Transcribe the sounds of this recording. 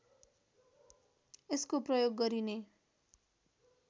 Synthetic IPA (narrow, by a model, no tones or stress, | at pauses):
eskoprʌjoɡːʌɾine